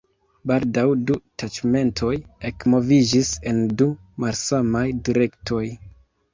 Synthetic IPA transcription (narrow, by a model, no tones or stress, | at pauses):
baldawdutat͡ʃme̞ntʰo̞je̞kmo̞vid͡ʒise̞ndu | malsamajdiɾe̞ktʰo̞j